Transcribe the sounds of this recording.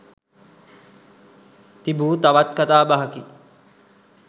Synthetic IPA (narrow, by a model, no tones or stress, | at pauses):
t̪ibuːt̪aʋat̪̚kat̪aːbaɦaki